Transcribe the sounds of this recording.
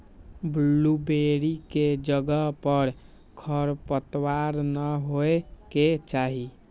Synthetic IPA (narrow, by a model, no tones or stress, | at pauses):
blːubeɾiked͡ʒəɡəpəɾ | kʰəɾpət̪waɾnəɦoeket͡ʃaɦi